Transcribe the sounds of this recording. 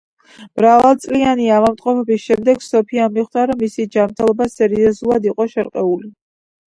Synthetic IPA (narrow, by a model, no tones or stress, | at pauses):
b̥ɾavalsʼlianiavamt̪ʼqʼɔpʰɛbisʃɛmd̪ɛɡ̥sɔpʰiamiχd̪aɾɔmːisid͡ʒamɾt̪ʰɛlˠɔbasɛɾiɔzulˠad̪iqʼɔʃɛɾqʼɛuli